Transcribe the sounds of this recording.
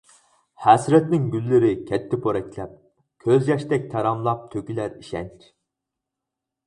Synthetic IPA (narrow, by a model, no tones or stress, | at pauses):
hæsɾɛt̪nɪŋɡʲylːɪɾɪkʲʰɛt̪ʰːɪpʰoɾɛkʲlɛp̚ | kʲʰøzjɑʃt̪ɛk̚ʲt̪ʰɛɾɑmlˠɑp̚t̪ʰøkʲylæɾiʃɛnt͡ʃʰ